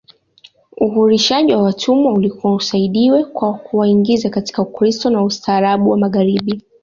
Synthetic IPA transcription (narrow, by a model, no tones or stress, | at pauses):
uɦuɾiʃaʄiwawatʰumwaulikuɔusaiɗiwɛkwakuwaiŋɡizakati̥kaukɾistɔnaustaːɾaɓuwamaɣaɾiɓi